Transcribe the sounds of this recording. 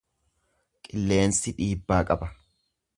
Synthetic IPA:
kʼɪlːe̞ːnsɪᶑiːbːaːkʼɐbɐ

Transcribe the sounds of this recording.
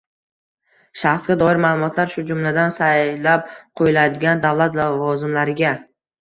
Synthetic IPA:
ʃaχsɡʲad̪ɒɪɾmaːlˠʊmɒt̪ʰlaɾʃʊd͡ʒʊmlad̪ansajlap̚qʰojɪlad̪ɪɡʲand̪avlˠat̪lavɒzɪmlaɾɪɡʲa

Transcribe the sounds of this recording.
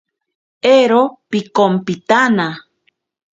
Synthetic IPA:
eɾopikompit̪ana

